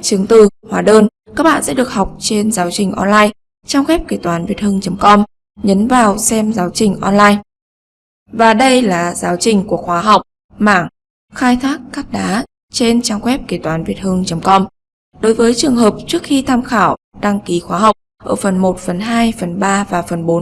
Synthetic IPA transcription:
t͡ɕɨ˨˩əŋt̪ɨ˧˨˩hwaː˨˦ɗəː˧n | kaː˦˥k̚ɓa̰ː˧˨nsɛ̰˧˥ɗɨ˨˩ək̚ha˨˩wk͡p̚t͡ɕe˧nzaː˨˦wt͡ɕï˨˩ŋ̟ʔɔ̰˧nlaː˧j | t͡ɕaː˧ŋ͡mɣwɛ˦˥p̚ke˧˩t̪waː˨˦nvi˨˩ət̚hɨ˧əŋt͡ɕə˨˦ŋ͡mkɔ˧m | ɲə˨˦nvaː˨˩wsɛ˧mzaː˨˦wt͡ɕï˨˩ŋ̟ʔɔ˧nlaː˧j | vaː˨˩ɗə˧jlaː˨˩zaː˨˦wt͡ɕï˨˩ŋ̟ku˧˨˩ək̚xwaː˨˦ɦa˨˩wk͡p̚ | ma̰ː˧˩ŋ | xaː˧jt̪ʰaː˦˥kːaː˦˥k̚ɗaː˨˦ | t͡ɕe˧nt͡ɕaː˧mwɛ˦˥p̚ke˧˩t̪waː˨˦nvi˨˩ət̚hɨ˧əŋt͡ɕə˨˦ŋ͡mkɔ˧m | ɗo˨˦jvəː˨˦jt͡ɕɨ˨˩əŋɦəː˨˩p̚t͡ɕɨ˦˥ək̚xi˧t̪ʰaː˧mxaː˧˩w | ɗa˧ŋki˨˦xwaː˨˦ɦa˨˩wk͡p̚ | ʔəː˧˩fə˨˩nmo˨˩t̚fə˨˩nɦaː˧jfə˨˩nɓaː˧vaː˨˩fə˨˩nɓo˨˦n

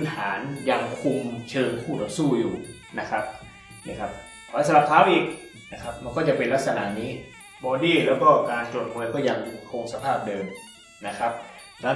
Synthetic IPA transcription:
nʰaː˩˦nja˧ŋkʰu˧mt͡ɕʰɤː˧ŋpʰuː˥˩ɔ˨˧˩suː˥˩juː˨˩ | na˦˥kʰa˦˥p̚ | na˦˥˩kʰa˦˥p̚ʰ | ɔː˧˩lɛː˧˥˩sa˧la˨˩p̚t̪ʰaː˦˥wʔiː˨˩k̚ | na˦˥kʰa˦˥p̚ma˧nkɔː˥˩t͡ɕa˨˩pe˧nla˦˥t̪̚sa˧na̰˨˧˦niː˦˥ | bɔː˧diː˥˩lɛː˦˥wkɔː˥˩kaː˧nt͡ɕu˨˩ət̪̚pʰuː˧jkɔː˥˩ja˧ŋ˧kʰoː˧ŋsa˧pʰaː˥˩p̚dɤː˧m | na˦˥kʰa˦˥p̚ | lɛː˦˥˩

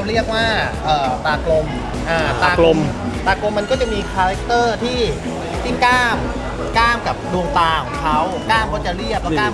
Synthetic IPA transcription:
ɾi˥˩ək̚waː˥˩ʔəː˨˩t̪aː˧klo˧m | ʔaː˧˩aː˧klo˧m | t̪aː˧klo˧mːa˧nkɔː˥˩t͡ɕa˨˩ʔmiː˧kʰaː˧ɾa˦˥k̚t̪ɤː˥˩t̪ʰiː˥˩ | si˥˩ŋkaː˥˩m | kaː˥˩mka˨˩p̚duː˧ŋt̪aː˧kʰɔ˨˩˦ŋkʰa˦˥wkaː˥˩mkʰa˦˥˩t͡ɕa˨˩ɾi˥˩əp̚laː˥˩˨

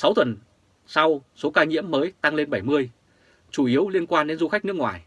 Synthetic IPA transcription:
sa˨˦wt̪wə˨˩n | sa˧wso˨˦kaː˧ɲḭ˧˥əmːəː˨˦jt̪a˧ŋle˧nɓə˧˩jmɨ˧əj | t͡ɕu˧˩ʔi˨˦əwli˧ənkwaː˧nɗe˨˦nzu˧xa˦˥k̚n˦˥əkŋwa̰ː˨˩j

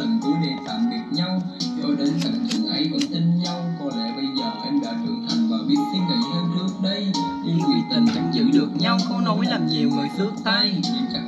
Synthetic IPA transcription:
ə̰˧˨˩ŋɗɨ˧˦ɗe˨˩t̪a̰ː˧˩nvi˨˩ət̚ɲa˧wzɔ˧˦ɗe˨˦nsa̰˧˩ŋt͡ɕɨ˨˧˩ʔə˨˦jvə̰˧˩˦t̪i˧ŋ̟ɲa˧wkɔ˧˩lɛ̰ː˧˥ɓə˧jzəː˨˩ʔe˧nɗa̰ː˧˩t̪ɨ̰˧˩t̪ʰa˨˩ŋ̟vaː˨˩ɓi˦˥ət̚si˧nvə̰˧˨jhəː˧mt͡ɕɨ˦˥ək̚ɗə˧jɲɨ˧ŋkwi˧˩ət̪ï˨˩ŋ̟ka̰˧˦ŋzɨ̰˧˥ɗɨ˨˩ək̚ɲa˧wxə˧wŋ͡mno˨˦jla˨˩m̚ɲi˨˩wŋɨ˨˩əjsɨ˦˥ək̚t̪a˧jɲɨ˧nt͡ɕa˧˥

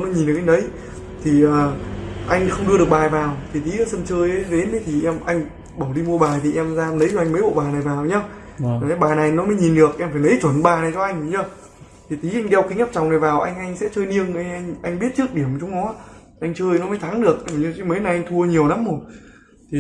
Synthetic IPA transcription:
nɔ˨˦ɲi˨˩nɗɨ˨˩k̚ʔŋɗə˨˦j | t̪ʰi˨˩ʔəː˨˩ʔa˧jŋ̟˦xə˧wŋ͡mɗɨ˧əɗɨ˨˩ək̚ɓaː˨˩jvaː˨˩wt̪ʰi˨˩t̪i˨˦ə˨˩sə˧mt͡ɕəː˧jə˨˦ɗe˨˦nɗə˨˦jt̪ʰi˨˩ʔɛ˧mʔa˧jŋ̟ | ɓə˧˩wɗi˧mu˧əɓaː˨˩jt̪ʰi˨˩ʔɛ˧mzaː˧nə˨˦jzɔ˧˩ʔa˧ŋ̟mə˨˦jɓo̰˧˨ɓaː˨˩na˨˩jvaː˨˩wɲaː˧˨˩ | a˨˦ɓaː˨˩na˨˩jnɔ˨˦məː˨˦jɲi˨˩nɗɨ˨˩ək̚ʔɛ˧mfaː˧˩nə˨˦jt͡ɕwə˧˩nɓaː˨˩na˨˩jt͡ɕɔ˧ʔa˧jŋ̟˨˧˦ɲə˧˩ | t̪ʰi˨˩t̪i˨˦ʔa˧jŋ̟ɗɛ˧wki˨˦ŋa˦˥p̚t͡ɕa˨˩ŋ͡mna˨˩jvaː˨˩wʔa˧jŋ̟ʔa˧jŋ̟sɛ̰˧˥t͡ɕəː˧jni˧əŋʔa˧ŋʔa˧jŋ̟ʔa˧ŋ̟ɓi˦˥ət̚t͡ɕɨ˦˥ək̚ɗi˧˩əmt͡ɕʊ˨˦ŋ͡mnɔ˨˦ | ʔa˧jŋ̟t͡ɕəː˧jnɔ˨˦mə˨˦jt̪ʰa˨˦ŋɗɨ˨˩ək̚ɲɨ˧t͡ɕi˨˧˦mə˨˦jna˨˩jʔa˧jŋ̟t̪ʰu˧ə˧ɲi˨˩əwna˨˦mːo˨˩ | t̪ʰi˨˩

